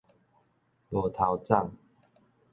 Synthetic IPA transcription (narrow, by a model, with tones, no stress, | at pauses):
lɔ˨˦t̪ʰa˨˦wt͡sa˥˨ŋ